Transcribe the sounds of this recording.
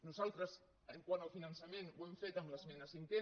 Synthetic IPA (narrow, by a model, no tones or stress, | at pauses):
nuzalˠt̪ɾəs | əŋkwanəlfinənsəmẽnwemfet̪əmləzmɛnəsiŋkɛ